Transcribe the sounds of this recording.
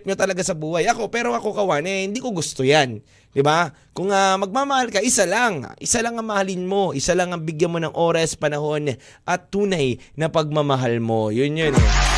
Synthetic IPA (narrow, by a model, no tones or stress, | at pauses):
p̚ɲot̪ɐlɐɡasɐbuːhajʔɐko̞pɛːɾo̞ʔɐko̞kɐwaːnɛhɪnd̪iːkoɡʊst̪ojan | d̪ɪba | kʊŋamɐɡ̚mamɐhalkɐʔɪsalaŋ̰ʔɪsalɐŋɐŋmɐhalɪnmo̞ʔɪsalɐŋɐŋbɪɡjɐnmo̞nɐŋʔo̞ːɾɐspɐnɐho̞n | ʔɐt̪ːuːnɐjnɐpɐɡ̚mamɐɦalmo̞jʊnjon